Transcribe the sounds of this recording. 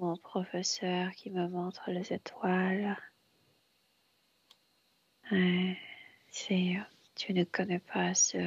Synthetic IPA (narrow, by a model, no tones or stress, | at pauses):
mɔ̃pχɔfɛsœʁkʲiməmɔ̃t̪χəlezet̪ʰwal | ɛ | sɛ | t̪ʰynəkɔnɛpʰasə